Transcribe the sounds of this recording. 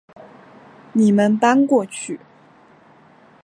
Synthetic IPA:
ni˨˩mə˦np̪a˥nkwɔ˥˧t͡ɕʰy˥˩

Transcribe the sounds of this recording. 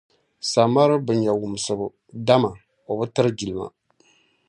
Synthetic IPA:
sa˨ma˦ɾɨ˦bɨ˨ɲa˨wu˨m˨sɨ˨bɨ˨ | da˦ma˨ | o˨bɨ˦tɨ˦ɾɨ˦d͡ʒi˨lɨ˨ma̰˨

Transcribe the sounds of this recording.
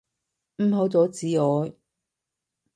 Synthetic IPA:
m̩˨˧ɦo˨˧˥wt͡sɔː˨˥t͡siː˨˥ɔː˨˧j

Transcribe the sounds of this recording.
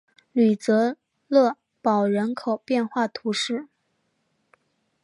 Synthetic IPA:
ly˨˩t͡sɤ˧˥ | lɤ˥˩ | pɑ˨˩ʊɻə˧˥nkʰo˨˩ʊpjɛ˥˧nxwa˥˩t̪ʰu˧˥ʂɻ̩˥˩

